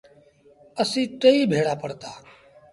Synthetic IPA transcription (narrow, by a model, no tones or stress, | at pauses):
əsĩːʈəiːbʱeːɽaːpəɽt̪aː